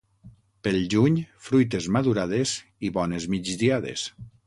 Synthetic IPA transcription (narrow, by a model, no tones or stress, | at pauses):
pelˠʒuɲfɾujt̪̬ezmaðuɾað̞ez | iβɔnezmid͡ʒd̪iaðḛs